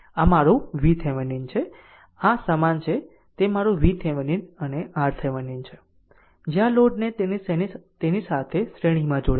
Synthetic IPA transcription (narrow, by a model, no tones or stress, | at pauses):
amaɾuʋit̪ʰɛʋənint͡ʃʰe | asəmant͡ʃʰe | t̪emaɾũʋit̪ʰeʋəninəneaɾt̪ʰeʋənint͡ʃʰe | d͡ʒeãloɖne | t̪enisat̪ʰesɾeɽ̃imãd͡ʒoɽ